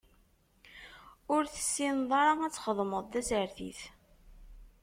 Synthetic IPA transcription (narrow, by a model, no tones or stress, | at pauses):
ʊɾθə̥sːinðˤɑɾˤɑæt͡sːχəðˤməðˤt̪æsəɾθḭθ